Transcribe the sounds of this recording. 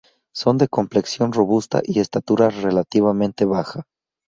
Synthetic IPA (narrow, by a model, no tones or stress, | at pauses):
so̞nd̪e̞ko̞mple̞ksjo̞nro̞βust̪a̰ʔie̞st̪at̪uɾare̞lat̪iβamẽ̞nt̪e̞βaxa